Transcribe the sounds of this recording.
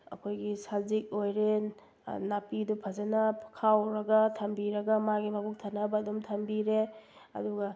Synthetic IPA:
ɐ̰kʰojɡisazik̚ojɾe | napidupʰazenɐkʰawɾɐɡɐtʰɐmbiɾɐɡɐmaɡimabuk̚tʰanɐbɐdumtʰɐmbiɾeɐ̰duɡɐ

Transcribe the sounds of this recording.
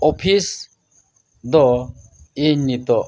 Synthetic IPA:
ɔpʰis | d̪ɔ | iɲːit̪ɔ

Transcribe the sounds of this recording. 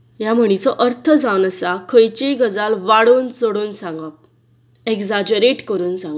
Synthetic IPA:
jam̤əɽ̃it͡sɔʔəɾt̪ʰəd͡zawnəsakʰəjt͡ɕiɡəd͡zalʋaɽuːnt͡soɽuːnsãŋɡa | eɡd͡zad͡ʑəɾeʈkəɾuːnsãŋɡa

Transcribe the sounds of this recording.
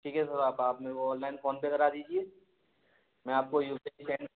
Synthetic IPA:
ʈʰiːkɦɛsɐɾaːpaːpmeːɾkoɔ̃ːnlaːɪnfoːnpekɐɾad̪iːd͡ʒieː | mɛ̃aːp̚kojuːpːsɛ̃ːɳ

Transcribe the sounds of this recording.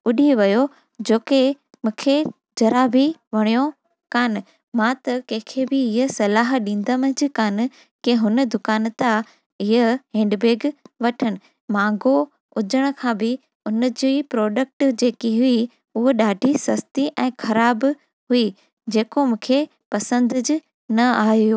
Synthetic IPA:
ʊɗiʋɐjo | d͡ʑoːke | mũːkʰe | d͡ʑɐɾaːbʱiʋɐɽ̃ijo | kaːnɪ̆ | mãt̪ɐkɐ̃ɦɪ̃kʰebɪɪɦəsɐlaːɦɗĩːnd̪əmə̃d͡ʑɪkaːnɪ̆ | keɦʊnə̆d̪ʊkaːnt̪a | ɪɦəɦẽːɳɖbeːɡʋɐʈʰəɽ̃ɪ̆ | mãːŋɡo | ʊd͡ʑəɽ̃̆kʰãːbɪ | ʊnd͡ʑiːpɾɔːɖək̚ʈd͡ʑeːkiɦʊi | ʊɦoɗaːɖʱisɐst̪iʔɛ̃ːxʰɐɾaːb | ɦui | d͡ʑeːkomũːkʰe | pɐsə̃nd̪ʊd͡ʑ | nɐaːɦjoː

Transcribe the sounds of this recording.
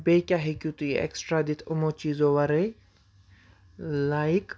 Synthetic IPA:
bekʲaɦikjut̪uiɛ̰ksʈɾaːd̪it̪ʰumot͡ʃiːzoʋaɾe | laik

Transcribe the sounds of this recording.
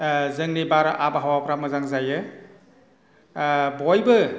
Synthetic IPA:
zɯŋnibaɾʔabaɦawapʰɾamɯzaŋzajɯ | bɔjbɯ

